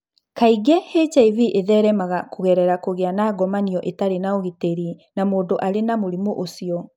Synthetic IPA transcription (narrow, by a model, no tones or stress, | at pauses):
kaiɡɛhet͡ʃaiviʔeðɛɾɛmaɣakoɣɛɾɛɾakoɣeanaːɡɔmaniɔʔetaɾenaoɣeteɾinamoːndoʔaɾenamoɾimoʔosiɔ